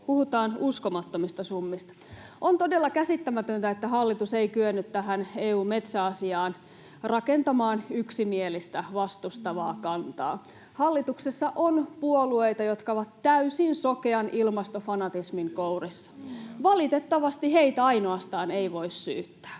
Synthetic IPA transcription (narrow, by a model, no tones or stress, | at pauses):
puhut̪ɑːnuskomɑt̪ːomist̪ɑsumːist̪ɑ̥ont̪odelːɑkæsit̪ːæmæt̪ønt̪æet̪ːæhɑlːit̪useikyønːyt̪t̪æɦæneːuːme̞t̪sæɑsiɑːn | rɑkent̪ɑmɑːnyksimielist̪æʋɑst̪ust̪ɑʋɑ̰ːkɑnt̪ɑ̰ː | hɑlːit̪uksesːɑʔonpuoluejt̪ɑjot̪kɑoʋɑt̪tæysinsokeɑnʔilmɑst̪ofɑnɑt̪ismiŋkourisːɑ̥ʋɑlit̪et̪ːɑʋɑst̪iheit̪æɑinoɑst̪ɑːneiʋo̞isːy̰ːt̪ːæ̥ː